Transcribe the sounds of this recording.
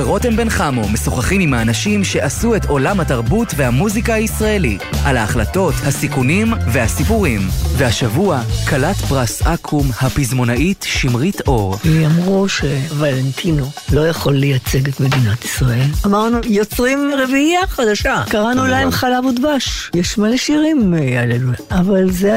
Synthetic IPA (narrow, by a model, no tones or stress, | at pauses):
beʁo̞tembenχamo̞me̞soχaχimimhaːnaʃimʃe̞ʔasuetʰo̞lamhataʁbutve̞hamuzikahaisʁae̞litʔalaːχlato̞thasikunimve̞hasipuʁimvehaʃavuakʰalatbʁasʔakʰumhapizmo̞naʔitʃimʁitʰo̞ʁveamʁuʃevalent̪ʰinolo̞jaχo̞lːejat͡seɡet̪me̞d̪inat̪i̥sʁae̞lamaʁnujo̞t͡sʁimʁeviaχad̪aʃakaʁanulajemχalavod̪vaʃjeʃmaleʃiʁimjaled̪uavalze